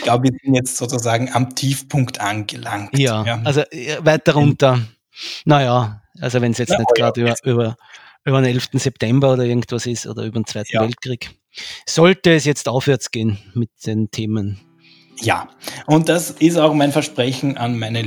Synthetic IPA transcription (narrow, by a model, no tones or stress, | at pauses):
ɡ̥laʊbəviːɐzɪntjɛt͡stz̥oːt͡suzaːɡŋ̩amtʰiːfpʰʊŋktʔanɡəlaŋkjaːalzovæɪt̚d̥ɐʁʊ̃ntə | nɐjaʔalzovɛnsjɛt͡stnɛtɡ̥ʁaːdyːbɐʔyːbɐ | ʔyːbɐnɛlftn̩sɛptʰɛmbɐoːdɐɪɐɡŋ̩t̪vasɪso̰ːdɐ̰yːbɐdnt͡sv̥æɪtn̩vɛlt̚kʁ̥iːk | sɔltəːsjɛt͡staʊfvɛɐt͡sɡ̥eːnmɪt̚d̥entʰeːmən | ja̰ːʔʊnt̚d̥asɪstaʊxmaɪnfɛɐʃpʁɛçn̩ʔanmaɪnə